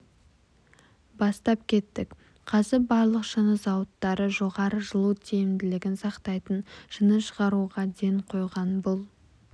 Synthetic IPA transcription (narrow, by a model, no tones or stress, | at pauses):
bɑst̪ɑpkʲʰe̞t̪ːɪk | qʰɑzɪɾbɑɾlˠəqʒənəzɑwət̪ːɑɾəʒo̞ʁɑɾəʒəlˠut̪ʰejɪmd̪ɪlɪɡʲɪnsɑqt̪ɑjt̪ənʒ̥ənəʃəʁɑɾuʁɑd̪eɴqʰo̞jʁɑnbʊlˠ